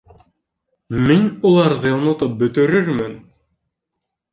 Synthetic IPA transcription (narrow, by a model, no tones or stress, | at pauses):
minulˠɑɾðɤonŏt̪ɤp̚bɵ̆t̪ɵ̆ɾɘɾmɘn